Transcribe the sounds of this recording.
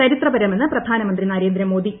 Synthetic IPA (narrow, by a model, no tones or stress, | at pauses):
ɐɾit̪rɐbɐɾɐme̞nːɨprɐd̪ʱaːnɐmɐnd̪rinaɾeːnd̪ɾɐmoːd̪i